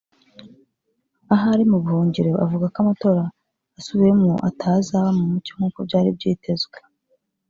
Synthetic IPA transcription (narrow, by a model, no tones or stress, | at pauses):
aɦaɾimuβuho̞ːɲɟeɾeʔavuɡakamato̞ɾaː | suβiemŋo̰ʔa̰tʰazaβamumucoŋ̥uːkob̚ɟaːɾḭb̚ɟiːtʰe̞zɡwe